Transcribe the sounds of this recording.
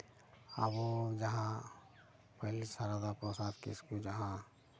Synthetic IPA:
ə̰bod͡ʒɐɦã | pɐɦlisaɾad̪apɾosaːd̪kɪ̰skud͡ʒɐɦã

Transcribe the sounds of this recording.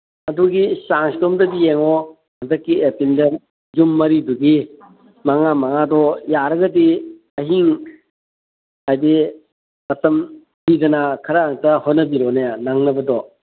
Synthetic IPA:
ɐduɡisaŋstomdɐbijeŋɔ | mɐdɐkːiepindɐ | d͡ʒumːɐɾiduɡi | maŋamaŋadɔjaɾɐɡɐdi | ɐɦiŋ | ajdi | mɐtɐm | bidɐnakʰɐɾaaŋtɐhɔnːɐbiɾɔnajanaŋnɐbɐdɔ

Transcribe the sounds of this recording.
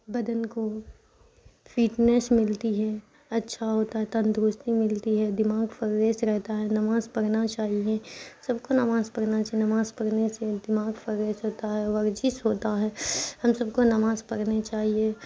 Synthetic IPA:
bɐd̪ənko | fʰiːʈnesmɪlt̪iɦɛ | ɐtːʃʰaɦoːt̪aɦɛt̪ɐ̃nd̪ɾʊst̪imɪlt̪iɦɛd̪ɪmaːɡfəɾɾeːsɾɛɦt̪aɦɛnɐmaːzpɐɽnat͡ʃaːɦiesɐbkonɐmaːzpɐɽnat͡ʃaːɦienɐmaːzpɐɽnesed̪ɪmaːɡfəɾɾeːsɦoːt̪aɦɛʋɐɾd͡ʒɪsɦoːt̪aɦɛːhɐmsɐbkonɐmaːzpɐɽnet͡ʃaːɦie

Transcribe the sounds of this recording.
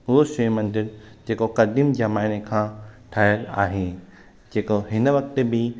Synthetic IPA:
ʊɦoʃeːmɐ̃nd̪ɪɾd͡ʑeːkokɐd̪imd͡ʑɐmaːɪnekʰãːʈʰaːjəla̰ːɦe | d͡ʑeːkoɦɪnəʋɐk̚t̪ebɪ

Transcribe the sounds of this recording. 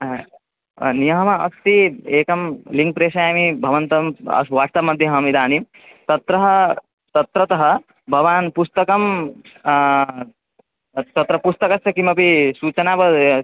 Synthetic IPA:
nijɐɦɐmɐɐst̪ieːkɐmliŋk̚pɾeːʃajamibʱɐʋɐnt̪ɐmɐ̰sʋaːst̪ɐmːɐd̪ʱjɐɦɐmid̪aːnim | t̪ɐt̪ɾɐɦɐ | t̪ɐt̪ɾɐt̪ɐɦɐ | bʱɐʋaːnpust̪ɐkɐm | t̪ɐt̪ɾɐpust̪ɐkɐsɐkimɐpisuːt͡ʃɐnaːpɐ

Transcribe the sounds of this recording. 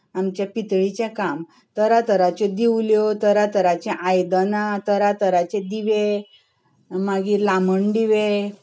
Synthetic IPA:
amt͡ɕjapit̪ɭit͡ɕẽkam | t̪əɾat̪əɾat͡ɕed̪iwljɔt̪əɾat̪əɾat͡ɕɛ̃ʔajd̪ənat̪əɾat̪əɾat͡ɕẽd̪iʋe | maɡiːɾlaməɳɖiʋe

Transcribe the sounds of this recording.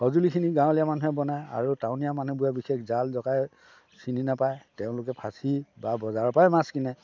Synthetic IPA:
hɔzulikʰiniɡãw̃lijamanuɦɛbɔnaja̰ɹutaʊ̃nijamanubujabixekzalzɔkaj | sininapajteʊ̃lʊkɛpʰasibabɔzaɹpajmaskinɛ

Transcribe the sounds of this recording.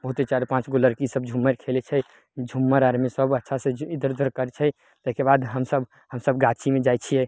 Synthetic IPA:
bəɦut̪et͡ʃaɾepãt͡ʃɡoləɾkisəbd͡ʒʱumːəɾkʰelet͡ʃʰɛ | d͡ʒʱumːəɾaɾmisəbətːʃʰasẽid̪əɾd̪ʱəɾkəɾɛt͡ʃʰɛ | t̪əɦkebad̪ɦəmsəb | həmsəbɡat͡ʃʰimed͡ʒajt͡ʃʰijɛ

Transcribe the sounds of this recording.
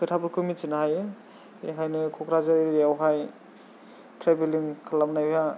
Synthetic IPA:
kʰɯtʰabɯɾkʰɯmit͡ʃinaɦaj | ɦajnɯkʰɔkɾazɯɾɾiawɦaj | tʰɾebeliŋkʰalamnajja

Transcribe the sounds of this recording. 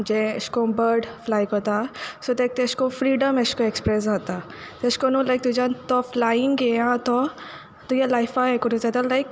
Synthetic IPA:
d͡ʒẽə̰skobəɾɖflajkot̪asot̪ek̚t̪eskofɾiːɖəmeskoekspɾɛs̬at̪a | t̪eskonoːlajk̚t̪ud͡ʒant̪ɔflaɪ̃ŋɡeãt̪ɔ | t̪ujalajfaekuʈusat̪əlajk

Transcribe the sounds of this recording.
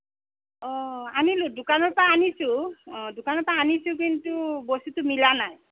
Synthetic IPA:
ɔanilʊdʊkanɔɹpaːnisʊ̃dʊkanɔɹpaanisʊ̃k̬intubosutʊmilanaj

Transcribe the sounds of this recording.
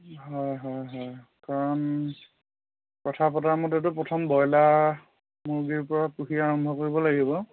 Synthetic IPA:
ɦɔjɦɔjɦɔjkaɹɔn | kɔtʰapɔtaɹmɔtɛt̬ʊpɹɔtʰɔmbɔjla | muɹɡiɹpɔɹapuxiaaːɹɔmbʱɔkoɹibɔlaɡibɔ

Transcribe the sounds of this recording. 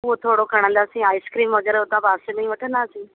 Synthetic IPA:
ʊɦot̪ʰoːɽokʰɐɽ̃ə̃nd̪aːsĩaːɪskɾiːmoːd͡ʑəɾʊt̪ãbaːssenɐĩʋɐʈʰə̃nd̪aːsĩː

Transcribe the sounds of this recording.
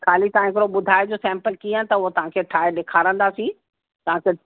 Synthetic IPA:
kʰaːlit̪ɐãɦɪkɾoɓʊd̪ʱaːɪd͡ʑoːsɛ̃ːmpəlkiːə̃nt̪ɐʊɦot̪ɐʋ̤ãkʰeːʈʰaːɪɗeːkʰaːɾə̃nd̪aːsĩ | t̪ɐʋ̤ãkʰeː

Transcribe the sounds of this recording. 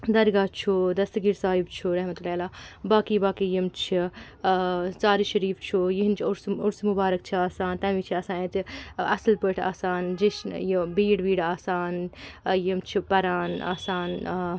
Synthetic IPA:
d̪ɐɾɡaːt͡ʃʰud̪ɐst̪ɡiɾsaːɦibt͡ʃʰuɾɐɦmɐt̪ulaːlaːbaːkibaːkijimt͡ʃʰi | saːɾiʃɐɾiːft͡ʃʰujiɦint͡ʃʰʊɾsʊɾsmubaːɾɐk̚t͡ʃʰiaːsaːnt̪ɐmiːt͡ʃʰiɐːsaːnẽt̪iɐslpəʈʰa̰ːsaːnd͡ʒiʃjibiːɽbiːɽaːsaːnjimt͡ʃʰipɐɾaːna̰ːsaːn

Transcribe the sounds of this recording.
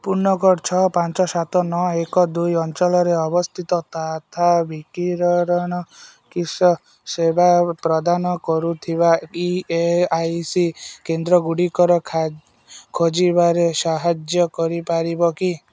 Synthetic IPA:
puɾnɔkɔɾt͡ʃʰɔpant͡ʃɔsat̪ɔnɔekɔd̪ujɔnt͡ʃɔlɔɾeɔbɔst̪ʰit̪ɔt̪at̪ʰabikiɾɔɾɔɽ̃ɔ | kisɔ | sebʱapɾɔd̪anɔkɔɾut̪ʰibaieajsikend̪ɾɔɡuɽikɔɾɔkʰ | kʰod͡ʒibaɾesaɦad͡ʒjɔkɔɾipaɾibɔki

